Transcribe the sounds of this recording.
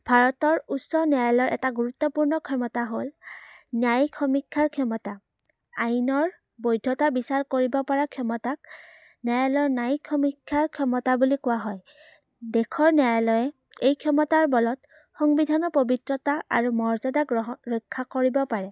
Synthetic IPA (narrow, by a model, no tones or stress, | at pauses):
b̥ʱaɹɔtɔɹusːɔnɛajlɔɹʔɛ̰taɡuɹut̪ːɔpuɹnɔkʰɔmɔtaɦolnjajkʰɔmikʰːaɹkʰɔmɔta | ajnɔɹ | bojdʱɔtabisaɹkoɹibɔpɔɹakʰɔmɔtak̚ | najalɔnajkʰɔmikʰːaɹkʰɔmɔtabulikʊwaɦɔj | dɛkʰɔɹnjajlɔjɛ | ejkʰɔmɔtaɹbɔlɔt | xɔŋbidʱanɔpobitɹɔtaa̰ɹumɔɹzɔdaɡɹɔɦɹojkʰːakoɹibɔpaɹɛ